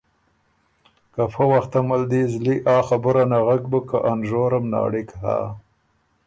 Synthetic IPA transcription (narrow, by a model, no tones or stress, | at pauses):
kafəwaxt̪amald̪izliʔɑːxabəɾanaɣaɡbəkaʔanʒoːɾamnɑ̰ːɽɪkha̰